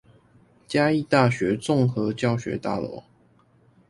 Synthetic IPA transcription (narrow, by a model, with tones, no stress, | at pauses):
t͡ɕja˦i˥˧t̪a˥˩ɕɥɛ˨˥t͡sʊ˥˨ŋxɤ˨˦t͡ɕjɑ˥˨ʊɕɥɛ̰˧˥˦t̪a̰˥˩lwɔ̰˧˥˦